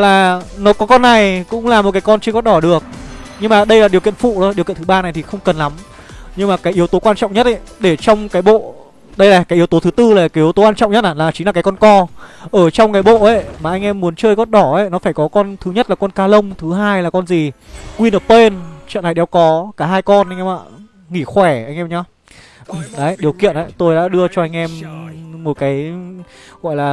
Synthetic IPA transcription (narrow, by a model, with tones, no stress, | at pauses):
laː˨˩nɔ˨˦kɔ˨˦kɔ˧nːa˨˩jkʊ̰˧˥ŋ͡mlaː˨˩mo˨˩t̚kaː˨˦kɔ˧nt͡ɕə˧ɣɔ˦t̚ɗɔ˧˩ɗɨ˨˩ək̚ɲɨ˧ŋmaː˨˩ɗə˧jlaː˨˩ɗi˨˩əkḭ˧˨ənfṵ˧˨ɗɔ˨˦ɗi˨˩knʰɨ˨˦ɓaː˧na˨˩jt̪ʰi˨˩xə˧wŋ͡mkə˨˩nla˨˦m | ɲɨ˧ŋmaː˨˩kaː˨˦jʔi˨˦əwt̪o˨˦kwaː˧nt͡ɕɔ̰˧˨wŋ͡mɲə˦˥t̚a˧˨ɗe˧˩t͡ɕɔ˧wŋ͡mkaː˨˦jɓo̰˧˨ | ɗə˧jlaː˨˩kaː˨˦ʔi˨˦əwt̪o˨˦t̪ʰɨ˨˦t̪ɨ˧laː˨˩kːi˨˦wt̪o˨˦waː˧nt͡ɕɔ̰˧˨ŋ͡mɲə˦˥t̚aː˧˩laː˨˩t͡ɕï˨˦laː˨˩kːkɔ˧nkɔ˧ʔəː˧˩t͡ɕɔ˧wŋ͡mkaː˨˦jɓo̰˧˨ʔə˨˦maː˨˩ʔa˧jŋ̟ʔɛ˧mːu˨˦ənt͡ɕəː˧jɣɔ˦˥n̚ɗɔ˧˩ə˨˦jnɔ˨˦faː˧˩jkɔ˨˦kɔ˧nt̪ʰɨ˨˦ɲə˦˥t̚laː˨˩kɔ˧nkaː˧lə˧wŋ͡mt̪ʰɨ˨˦ɦaː˧jlaː˨˩kɔ˧nzi˨˩kwi˧nə˨˩pːe˧nt͡ɕə̰˧˨na˨˩ɗɛ˧˩wkɔ˨˦kaː˧˩ɦaː˧jkɔ˧nʔjŋʔɛ˧ma̰ː˧˨ | ŋi˧˩xwɛ˧˩ʔa˧ŋʔɛ˧mɲa˧˦ | ʔɗə˨˦ɗi˨˩əwkḭ˧˨ənʔə̰˧˨jt̪o˧jɗa̰ː˧˥ɗɨ˧ət͡ɕɔ˧ʔa˧jŋ̟ʔɛ˧mːo˨˩t̚kaː˨˦j | ɣɔ̰˧˨jlaː˨˩